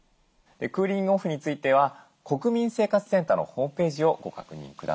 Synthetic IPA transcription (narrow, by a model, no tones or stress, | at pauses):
d̪̥e̞kɯːɾʲĩŋɯoɸɯ̟ɲ̟it͡sɨit̪e̞β̞a | ko̞kɯ̟mʲĩɰ̃se̞ːkat͡sɨ̥sẽ̞nt̪ano̞̰ho̞ːmɯ̟pe̞ːʑio̞ɡo̞ka̰kɯ̟ɲ̟ḭ̃ŋkɯd̪a̰